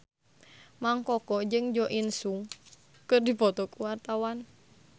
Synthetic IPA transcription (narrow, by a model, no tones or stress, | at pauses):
maŋkɔkɔd͡ʒɨŋd͡ʒɔʔinsuŋ | kɨrdipɔt̪ɔkuwart̪awan